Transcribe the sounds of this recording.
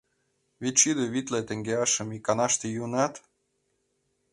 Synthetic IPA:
βit̪ʲt͡ɕid̪eβit̪let̪ĕŋɡeɑʃə̆mikːɑnɑʃt̪ejunɑt̪

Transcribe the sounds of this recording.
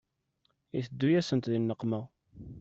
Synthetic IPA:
iθəd̪ːujæsənt̪ðinːəqmə

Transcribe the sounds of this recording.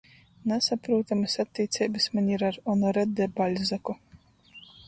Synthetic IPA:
nasapɾuːt̪amɨsat̪ʲːiːt̪sʲɛjbɨsmanʲiɾaɾɔnɔɾɛd̪ɛbalʲzaku

